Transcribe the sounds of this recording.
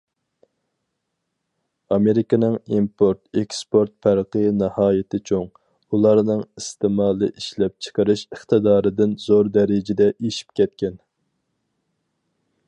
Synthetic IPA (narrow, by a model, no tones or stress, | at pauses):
ɑmeɾɪkʲɨnɨŋimpʰoɾt̪ɛkspoɾt̪̚fʰæɾqənɨhɑːjɪt̪ʰɪt͡ʃʰoŋ | ulˠɑɾnɨŋist̪ɨmɑːlˠɨ̰ʔiʃlɛp̚t͡ʃʰə̥qʰəɾɨʃəχt̪ɨd̪ɑːɾɨd̪ɪnzoɾd̪ɛɾɪd͡ʒɪd̪ɛʔeʃi̥pkʲɛt̪̚kʲɛn